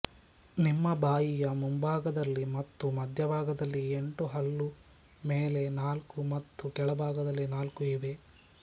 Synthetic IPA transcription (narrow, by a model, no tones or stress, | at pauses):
nimːɐbʱaːjijɐmumbaːɡɐd̪ɐlːimɐt̪ːumɐd̪ʱjɐbʱaːɡɐd̪ɐlːieɳʈuɦɐlːu | meːle̞naːlkumɐt̪ːukɛɭɐbʱaːɡɐd̪ɐlːinaːlkuiʋe̞